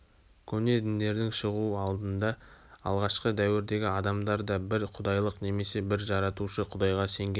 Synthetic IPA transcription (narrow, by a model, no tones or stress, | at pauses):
kʲʰɵne̞t̪ɪnd̪e̞ɾd̪ɪŋʃəʁuɑlˠd̪ənd̪ɑɑ̰lˠʁɑʃqəd̪æwɪɾd̪e̞ɡʲɪɑd̪ɑmd̪ɑɾd̪ɑbɪɾqʰʊd̪ɑjlˠəqne̞me̞se̞bɪɾʒɑɾɑt̪uʃəqʰʊd̪ɑjʁɑse̞ŋɡʲe